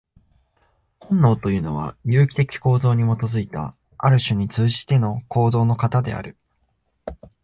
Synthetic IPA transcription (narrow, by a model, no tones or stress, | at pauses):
hõ̞nːo̞ːt̪o̞jɯ̟ːno̞β̞a̰jɯ̟ːkʲi̥t̪e̞kʲi̥ko̞ːzo̞ːɲ̟imo̞t̪o̞zɨit̪a̰ | aɾɯ̟ɕɨɲ̟it͡sɨːʑi̥t̪e̞no̞ko̞ːd̪o̞ːno̞kat̪ad̪e̞̰a̰ɾɯ̟